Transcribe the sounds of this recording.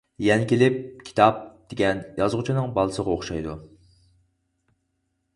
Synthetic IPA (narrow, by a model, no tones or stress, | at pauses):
jɛnɪkʲʰelɪp̚kʲʰi̥t̪ʰɑp̚d̪̥eɡʲɛnjɑzʁʊt͡ʃʰinɨŋbɑlˠɨsəʁɑoχʃɑjd̪u